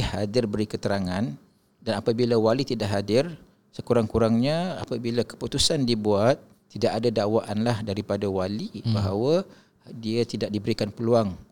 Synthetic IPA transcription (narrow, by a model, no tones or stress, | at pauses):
hadɪrbəɾikət̪əɾaŋan | danapabilawalit̪idaʔɦadɪr | səkuɾaŋkuɾaŋɲãa̰pabilakə̥put̪usandibuat̪̚ːidaʔadadawaʔanlahdaɾipadawalibaɦawa | diat̪idaʔ̚dibəɾikanpəluaŋ